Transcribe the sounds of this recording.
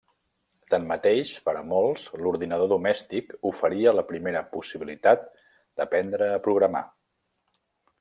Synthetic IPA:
t̪əmːət̪eʃpəɾəmɔlˠsluɾðinəð̞oðumɛst̪ikufəɾiələpɾimeɾəpusiβilit̪at̪̚ | d̪̥əpɛnd̪ɾəːpɾuɣɾəma̰

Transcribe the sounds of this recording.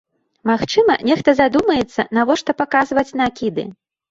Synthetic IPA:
maxt͡ʂɨmɐ̰nʲɛxt̪ɐzad̪umɐjɛt̪sːɐ̰navɔʂt̪ɔpakazvɐt͡sʲnakʲid̪ɨ̰

